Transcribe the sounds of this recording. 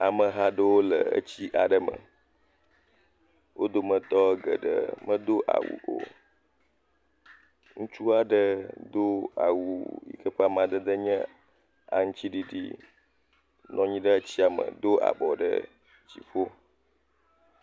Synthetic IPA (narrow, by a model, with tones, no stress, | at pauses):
a˨mə˨ɦa˦ɖə˦wo˦lə˨ə̰˦t͡ɕi˦ʔa˨ɖə˦mə̰˨ | wʔo˦d̪o˦mə̃˨t̪ɔ˦ə˦ɡə̰˨ɖə̰˦mə̃˦d̪o˦ʔa̰˨wṵ˨ʔo̰˨ | ŋũ˦t͡ʃu˦a˨ɖə˦d̪o˦a̰˨wu˨jḭ˨kə˦ɸe˦a˨mã˨d̪ə˦d̪ə˦ɲə̃˦ | a̰˨ŋ̩̃˦t͡ɕi˦ɖi˨ɖḭ˦ | nɔ̃˨ɲĩ˦ɖə˦t͡ɕi˦a˨mə̰̃˨d̪o˦a̰˨bɔ˨ɖə̰˦ | t͡ɕi˨ɸo˦